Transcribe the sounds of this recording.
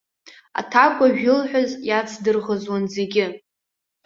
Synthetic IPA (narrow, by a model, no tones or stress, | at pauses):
a̰tʰakʷʼaʒᶣɪlħʷᶣazjat͡sʰdɨrʁəzwanze̞ɡʲɪ